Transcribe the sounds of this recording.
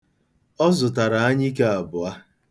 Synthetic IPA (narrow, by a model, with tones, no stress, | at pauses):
ɔ˦zʊ˨ta˨ɾa˨a˦ɲɪ˦ke˦a˨bʊ˨a˦